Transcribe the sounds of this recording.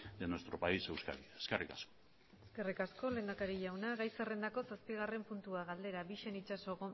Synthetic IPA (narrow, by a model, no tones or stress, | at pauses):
d̪enost̪ɾopaisewska̰ɾieskerikasko̥ | eske̞rikasko̞le̞ːnd̪akaɾiʝawnaɣajsere̞nd̪ako̞saspiɣ̞are̞mpunt̪uaɣald̪e̞ɾaβiʃe̞nit͡ʃaso̞ɣo